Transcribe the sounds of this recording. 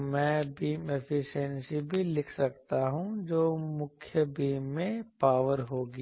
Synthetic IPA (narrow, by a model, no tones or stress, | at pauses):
mɛ̃ːbiːmepʰɪʃənsibʱilɪkʰsɐkt̪aɦũd͡ʒoːmʊkʰjəbiːmːẽpaːʋəɾɦoːɡi